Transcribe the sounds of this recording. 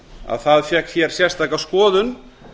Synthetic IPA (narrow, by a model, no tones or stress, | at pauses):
a̰ðθaðfjɛhkçɛɾ̥sjɛr̥st̪ajkaskɔːðʏn